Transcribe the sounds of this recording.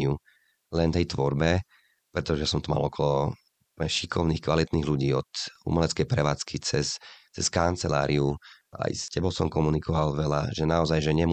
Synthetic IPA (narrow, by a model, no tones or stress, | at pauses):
ɪu | lɛnt̪ɛjt̪ʋɔɾbɛ | pɾɛt̪ɔʒɛjasɔmt̪ɔma̰lɔkʰɔlɔ | pɛʃikʰɔʊniːxkʋalit̪niːɣluɟiːɔt̪ṵmɛlɛt͡skɛjpɾɛʋaːt͡skit͡sɛst͡sɛskant͡sɛlaːɾiu | a̰jscɛbɔʊsɔmkɔmunikɔʋalʋɛla̰ʒɛnaɔzajʒɛɲɛm